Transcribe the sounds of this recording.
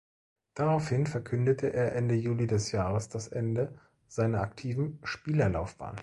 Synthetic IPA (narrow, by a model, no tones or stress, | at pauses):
d̥aʁaʊfhɪnfɛɐkʰʏndətʰəʔeːɐʔɛndəjuːlidɛsjaːʁəsd̥asʔɛndə | z̥aɪnɐʔaktʰiːvn̩ʃpiːlɐlaʊfb̥a̰ːn